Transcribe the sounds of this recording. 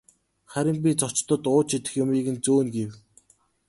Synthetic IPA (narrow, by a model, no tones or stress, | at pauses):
χæɾʲɪ̆mp̬ʲit͡sɔt͡ɕt̪ə̆t̪ʊːt͡ɕʰit̪ɘ̆xjʊmiːɣɘ̆nt͡suːnɡew